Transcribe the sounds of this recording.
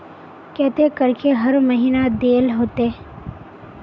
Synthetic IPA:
kɛɦt̪ekɐɾkeɦɐɾmɐɦiːnad̪eːlɦoːt̪e

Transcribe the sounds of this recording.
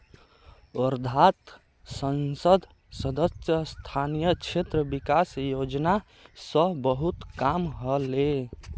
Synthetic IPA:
ɔɾd̪ʱat̪ | sənsəd̪ʱ | səd̪əsjəst̪ʰanijət͡ʃʰet̪ɾəbikasjod͡ʒna | səɦbəɦut̪kamɦəle

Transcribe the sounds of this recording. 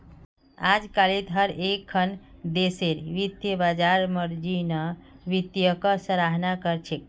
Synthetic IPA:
ad͡ʒkalet̪ɦəɾekʰːənd̪eseɾʋit̪jəbad͡ʒaɾməɾd͡ʒinəʋit̪jəkəsəɾaɦnakəɾt͡ʃʰek̚

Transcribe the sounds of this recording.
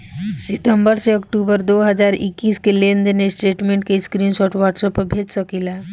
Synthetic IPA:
sɪt̪əmbəɾseɔkʈuːbəɾd̪oːɦəd͡ʒaːɾɪ̰kːiːskelẽːnd̪enesʈeːʈmẽːɳʈkeɪskɾiːnʃɔːʈʋaːʈsəpːəbʱeːd͡ʒsəkilaː

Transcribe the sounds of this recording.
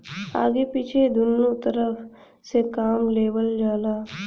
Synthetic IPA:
a̰ːɡepit͡ʃʰed̪ʊnːut̪əɾəf | sekaːmleːʋəld͡ʒaːlaː

